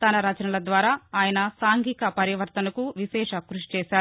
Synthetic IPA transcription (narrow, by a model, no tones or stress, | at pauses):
t̪ɐnɐɾaːt͡ʃɐnɐlɐd̪ʋaːɾaːaːjɐnɐsaːŋɡiːkɐpɐɾjɐʋɐɾt̪ɐnɐkuʋiʃɛːʂɐkɾuʂi̥t͡ʃɛːʃaːu